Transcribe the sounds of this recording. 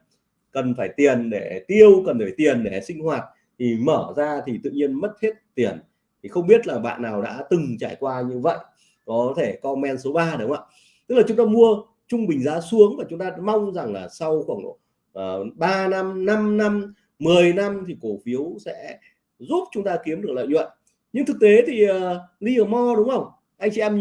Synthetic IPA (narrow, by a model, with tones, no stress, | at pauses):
kə˨˩nfaː˧˩jt̪i˨˩ənɗe˧˩t̪i˧əwkə˨˩nfaː˧˩jt̪i˨˩ənɗe˧˩sï˧ŋ̟hwaː˨˩t̚ | t̪ʰi˨˩məː˧˩zaː˧t̪ʰi˨˩t̪ɨ̰˧˨ɲi˧ənmə˦˥t̚he˦˥t̚t̪i˨˩ən | t̪ʰi˨˩xə˧wŋ͡mɓi˦˥ət̚laː˨˩ɓa̰ː˧˨nːaː˨˩wɗa̰ː˧˥t̪ɨ˨˩ŋt͡ɕa̰ː˧˩jkwaː˧ɲɨ˧və̰˧˨jʔ | kɔ˨˦t̪ʰe˧˩kɔ˧mɛ˧nso˨˦ɓaː˧ɗə˨˦wŋ͡ma̰ː˧˨ | t̪ɨ˦˥klaː˨˩ʊ˨˦ŋ͡mt̪ːmu˧ə | t͡ɕʊ˧ŋ͡mɓï˨˩ŋ̟zaː˨˦su˨˦əŋmaː˨˩t͡ɕʊ˨˦ŋ͡mt̪aː˧ma˧wŋ͡mza˨˩ŋlaː˨˩sa˧wxwaː˧˩ŋ˨˩ | ʔːɓaː˧na˧mna˧mna˧mː | ɨ˨˩əjna˧mt̪ʰi˨˩ko˧˩fi˨˦əwsɛ̰˧˥ | zu˦˥p̚t͡ɕʊ˨˦ŋ͡mt̪aː˧ki˨˦əmɗɨ˨˩ək̚lɔ̰ː˧˨ɲwə̰˧˨n | ɲɨ˧ŋt̪ʰɨ˨˩k̚t̪e˨˦t̪ʰi˨˩əː˨˩ɗi˧ʔəː˨˩mɔ˧ɗʊ˨˦ŋ͡mʔə˧wŋ͡m | ʔa˧j̟t͡ɕḭ˧ʔɛ˧m